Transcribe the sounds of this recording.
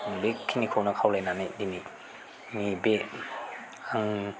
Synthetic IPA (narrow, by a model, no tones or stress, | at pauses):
bekʰinikʰɔwnɐkʰawlajnanajdimi | ŋibe | aŋ